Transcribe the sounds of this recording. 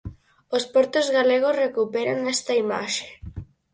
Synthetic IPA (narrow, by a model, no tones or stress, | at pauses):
ospɔɾt̪ozɣaleɣ̞osrekupeɾaŋest̪ɐima̰ʃe̥